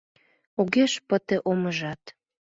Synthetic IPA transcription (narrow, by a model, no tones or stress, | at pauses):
uɣeʃpə̆t̪ĕʔoməʒɑt̪